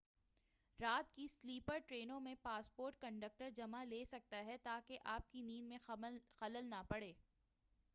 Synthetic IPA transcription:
ɾaːt̪kisliːpəɾʈɾeːnõmẽpaːspoːɾʈ̚kɐ̃ɳɖək̚ʈəɾd͡ʒɐmaleːsɐk̚t̪aɦɛt̪aːkeʔaːp̚kiniːnmẽxɐləlnapɐɽeː

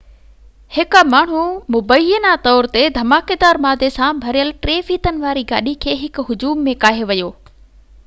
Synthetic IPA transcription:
hɪkmaːɳ̤umʊbəjənat̪ɔːɾt̪ed̪ʱɐmaːked̪aːɾmaːd̪ʱesãbʱɐɾijəlʈɾeːfiːt̪ənɪ̆ʋaːɾiɡa̰ːɗikʰeːɦɪkʊɦʊd͡ʑuːmːẽkaːɦeʋɐjoː

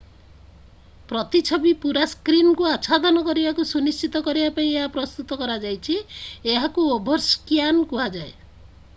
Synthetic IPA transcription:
pɾɔt̪it͡ʃʰɔbipuɾaskɾinkuasʰad̪ʱɔnɔkɔɾibakusunist͡ʃit̪ɔkɔɾibapaĩeɦapɾɔst̪ut̪ɔkɔɾad͡ʒajt͡ʃʰieɦakuobʱɔɾskjankuɦad͡ʒae

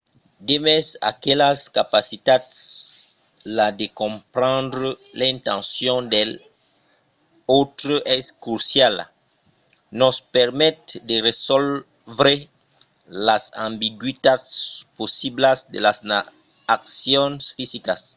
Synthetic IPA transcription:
d̪emɛsa̰kelaskapasit̪ad̪s | lad̪ekõmpɾãnd̪ɾəlaĩnt̪ãnsjɔ̃nd̪el | ot̪ɾoʔɛskuɾsjal | nospɛɾmɛt̪̚d̪eresɔl | vɾe | lasãmbiɡwit̪adsposiblasd̪ḛlasa | aksjɔ̃nsfisikas

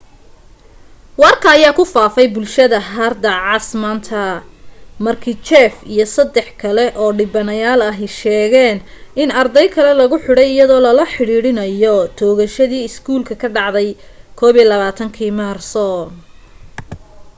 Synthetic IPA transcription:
wɑrkʰɐːjaːkʰʊfaːfɛjbʊlʃɐðɐɦɐrd̪ɐʕɑsmɐnt̪ʰɐ | mɐrkʰit͡ʃɛːfijɞsɐd̪ɛħkʰɐlɛʔɔːɖɪbɐnɐjaːlɐɦɛjʃɛːɣɛːn | ʔɪnɐrd̪ɛjkʰɐlɛlɐɣʊħʊɽɛjɪjɐðɔːlɐlɐħɪɽiːɽɪnɐjɔt̪ʰɔːɣɐʃɐðiːɪskʰuːlkʰɐkʰɐɖɑʕd̪ɛjkʰɔːβiːlɐβaːt̪ʰɐŋkʰiːmaːrsɔ

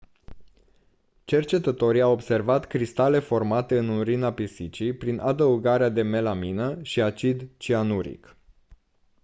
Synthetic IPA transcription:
t͡ʃe̞rt͡ʃe̞t̪ət̪o̞ɾijawobse̞rvat̪kɾist̪ale̞fo̞rmat̪e̞ɨnunɾinapisit͡ʃijpɾinʔad̪əuɡaɾead̪e̞me̞laminəʃiat͡ʃid̪t͡ʃianuɾḭk

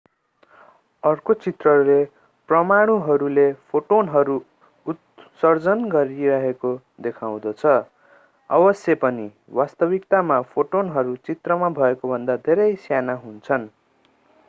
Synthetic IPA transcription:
ʌrkot͡sit̪rʌɾule | prʌmaɽ̃uɦʌɾulepʰoʈonɦʌɾu | ut̪sʌrd͡zʌnɡʌɾiɾʌɦeko | d̪ekʰaw̃d̪ʌt͡sʰʌ | ʌbʌsjʌpʌni | wast̪ʌbikt̪amapʰoʈonɦʌɾut͡sit̪rʌmabʱʌekobʱʌnd̪ad̪ʱeɾʌjsjanaɦunt͡sʰʌn

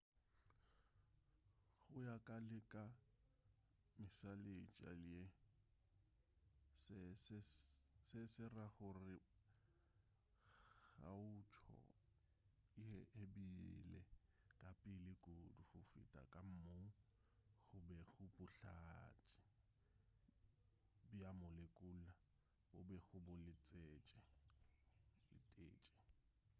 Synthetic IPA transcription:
ɣʊjakʼalɪkʼa | mɪsalet͡ʃʼa̰lɪe | ssɪsɪsɪraɣʊrɪ | ɣa̰ʊt͡ʃʰɔ̰ | ɪhɛhebilɛ | kʼapʼɪlɪkʼoduχʊfɪ̰tʼa̰kʼam̩moŋ̩ | ɣʊbɛɣʊbʊɬat͡ʃʼɪ̥ | biamʊlekʼula | obɛɣʊbʊlɪt͡sʼeːt͡ʃʼɛ | lɪ̰tʼeːt͡ʃʼɛ̥

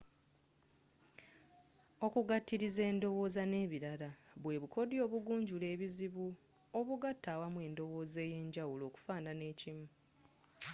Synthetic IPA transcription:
o̞kuɡatːiɾize̞ːndo̞wo̞ːzane̞ːβiɾalaβwe̞ːβuko̞djo̞ːβuɡuːɲɟule̞ːβiziβu | o̞βuɡatʰːaːwamwe̞ːndo̞wo̞ːzeːje̞ːɲɟawuloːku̥faːnane̞ːcimu

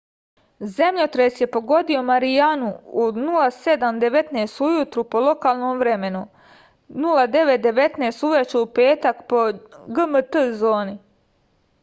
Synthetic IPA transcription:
ze̞mʎot̪ɾesje̞po̞ɡo̞d̪io̞maɾijanuunulˠase̞d̪amd̪e̞ʋe̞t̪neːst̪ujut̪ɾupo̞lˠo̞kaːlˠnoːmʋɾe̞me̞nu | nulˠad̪e̞ʋe̞t̪̚d̪e̞ʋe̞t̪nest̪uʋet͡ɕeupe̞ːt̪akpo̞ɡəmət̪əzo̞ːni

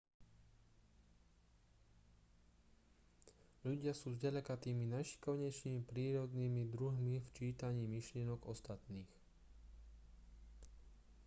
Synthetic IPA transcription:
ʎuɟɪasuːzɟɛʎɛkat̪iːminajʃi̥kɔʋɲɛt͡ʃnimipɾiːɾɔd̪niːmid̪ɾuɦmift͡ʃiːt̪aɲiːmiʃlɪɛnɔɡɔst̪at̪niːx

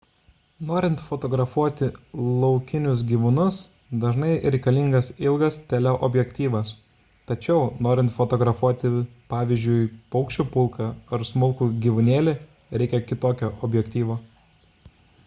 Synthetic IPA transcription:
noːɾʲɪnt̪fot̪oːɡɾɐfuɔt̪ʲɪlˠɒʊkʲɪnʲʊs̬ɡʲiːʋʊnʊs | d̪ɐʒnɐɪɾʲɛɪkɐlʲiŋɡɐsɪlˠɡɐst̪ʲɛlʲɛʔɔbʲjɛkt̪ʲiːʋɐs | t̪ɐt͡ʃʲɛʊnoːɾʲɪnt̪fot̪oːɡɾɐfuɔt̪ʲɪpɑːʋʲɪzʲd͡ʒʲʊɪpɒʊkʃʲt͡ʃʲupʊlˠkɐɐɾsmʊlˠkuːɡʲiːʋʊnʲeːlʲɪ | ɾʲɛɪkʲɛkʲɪt̪oːkʲoːʔɔbʲjɛkt̪ʲiːʋoː

